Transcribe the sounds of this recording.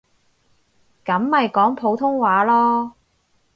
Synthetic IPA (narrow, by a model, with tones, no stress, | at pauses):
kɐ˨˥mːɐ˨jkɔː˨˥ŋpʰo˨˥wt̪ʰʊ˥ŋwaː˨˥lɔː˥